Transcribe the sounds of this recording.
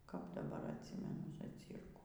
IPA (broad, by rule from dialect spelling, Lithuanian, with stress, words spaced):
kɐp dɐˈbɐr ɐtʲˈsʲɪmʲɛnʊ zɐˈt͡sʲiːrkuː